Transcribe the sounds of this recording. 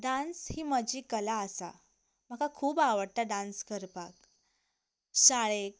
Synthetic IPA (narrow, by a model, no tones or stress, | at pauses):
ɖãnshiːməd͡ʑiːkəlaəsa̰ | m̤əkakʰuːbaʋəɽt̪aɖãnskəɾpak | ɕaɭek̚